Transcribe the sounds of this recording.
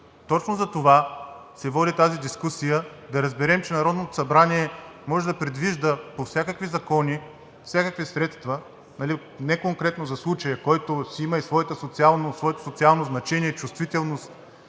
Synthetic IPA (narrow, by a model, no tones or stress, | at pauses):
t̪ɔt͡ʃnozɐt̪ovasɛvɔd̪it̪azid̪iskusijəd̪ɐɾɐzbɛɾɛmt͡ʃɛnɐɾɔd̪not̪o̥sɐbɾaniɛmɔʒɛd̪ɐpɾɛd̪viʒd̪əpofsʲakəkvizɐkɔni | fsʲjakəkvisɾɛt̪st̪və | nɐli | nɛkoŋkɾɛt̪nozɐslˠut͡ʃəjəkɔjt̪osiiməisvɔɛt̪əsot̪sialˠnosvɔɛt̪o̥sot̪sialˠnoznɐt͡ʃɛniɛt͡ʃust̪vit̪ɛlˠnost̪